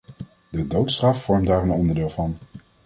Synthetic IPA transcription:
dədowtstrɑfːɔɹmdaːrənɔndəɹdɪːlˠvɑn

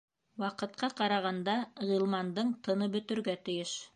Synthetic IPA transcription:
wɑqɤ̆t̪̚qɑqɑɾɑʁɑnd̪ɑʁilˠmɑnd̪ɤɴt̪ɤ̆nɤbɵ̆t̪ɵ̆ɾɡæt̪ɘ̆jɘʃ

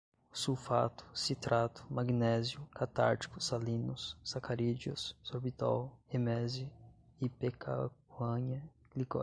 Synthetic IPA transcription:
ʊsufat̪ʊ̥sit̪ɾʔat̪ʊ̥maɡinɛzjʊkat̪a̰ɾt͡ʃi̥kʊsalĩnʊsːakaɾid͡ʒiʊ̰ssoɾbit̪a̰wemɛzʊipekʰa̰kɐ̃ɲɐ | ɡlikɔ̰

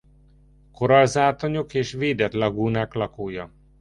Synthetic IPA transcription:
ko̞ɾɒlzaːt̪oɲokeːʃveːd̪ɛt̪lɒɡuːnaːklɒkoːjɒ

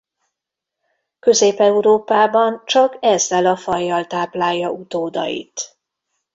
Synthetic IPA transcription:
kø̞zeːpɛuɾoːpaːbɒnt͡ʃɒkɛzːɛlɒfɒjːɒlt̪aːplaːjːɒʔut̪oːd̪ɒ̰jḭt̪

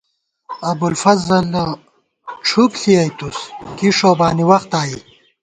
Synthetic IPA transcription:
ɐbulfɐzɐl | ʈ͡ʂʰupɬiɐjt̪uskiʂoːbaːniwɐχt̪aːi

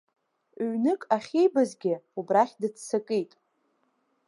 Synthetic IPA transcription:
ɥnɨkʼaχʲejbazɡʲɪubraχʲdɨt͡sʰːsakʼejtʼ

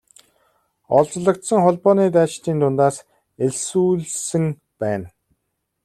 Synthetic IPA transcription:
ɔɮt͡sɮə̆kt̪sə̆ŋχɔɮpɔːniːt̪̬æːt͡ɕt̪iːnt̪ʰʊnt̪aːs | eɮsuːɮsɘ̆ŋ | pæːn

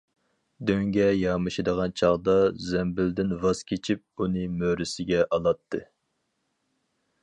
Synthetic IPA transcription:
d̪øŋɡʲɛjɑmɨʃid̪əʁɑnt͡ʃʰɑʁd̪ɑzɛmbɪld̪ɪnvɑz̥kʲʰet͡ʃʰip̚unɨmøɾɪsɪɡʲɛʔɑlˠɑt̪ʰːɨ

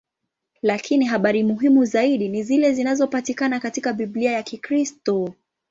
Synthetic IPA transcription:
lakʰiniɦaɓaɾimuɦimuzaiɗinizilɛzinazɔpatikanakatikaɓiɓliajakikɾistɔ

